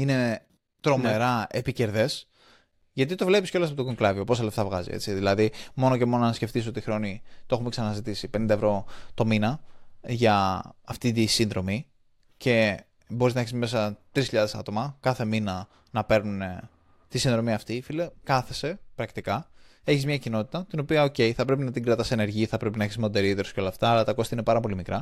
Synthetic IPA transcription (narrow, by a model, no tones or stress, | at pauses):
ine̞ | t̪ɾo̞meɾɐepice̞ɾðe̞s | ʝɐt̪it̪o̞vle̞pisceolɐs̬ɐpooɡoŋklɐviopo̞sɐle̞ft̪ɐvɣɐ̰zḭe̞̰t͡siðilɐðimo̞noce̞mo̞nonɐsce̞ft̪isoot̪ixɾo̞nit̪oe̞xumeksɐnɐzit̪isipe̞nind̪ɐevɾo̞t̪o̞minɐʝɐːft̪it̪isinðɾo̞mi | ce̞ | boɾiznɐeçizme̞sɐt̪ɾisçiʎɐðe̞sɐ̰t̪o̞mɐkɐθe̞minɐ | nɐpe̞ɾnune̞ | t̪isinðɾo̞miɐft̪ifilekɐθe̞se̞pɾɐkt̪ikɐ | e̞çizmɲɐcino̞t̪i̥t̪ɐt̪ino̞piɐo̞ce̞jθɐpɾe̞pinɐt̪iŋɡɾɐt̪ɐseneɾʝiθɐpɾe̞pinɐçizmod̪eɾiot̪eɾosceo̞lɐːft̪ɐːlɐt̪ɐko̞st̪ɐine̞pɐɾɐpo̞limikɾɐ